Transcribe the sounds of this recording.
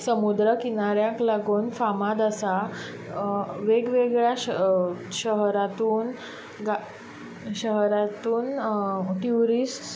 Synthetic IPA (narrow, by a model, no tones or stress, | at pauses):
səmud̪ɾəkinaɾjãklaɡuːnfamad̪asa | ʋeɡʋeɡɭjaɕ | ɕəɦɾat̪uːn | ɡa | ɕəɦɾat̪uːnʈuɾiːs